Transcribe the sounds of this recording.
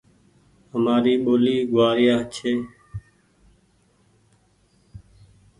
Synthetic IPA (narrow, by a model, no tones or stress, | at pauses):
həmaːɾiːɓoːliːɡʋaːɾɪjaːt͡ʃʰeː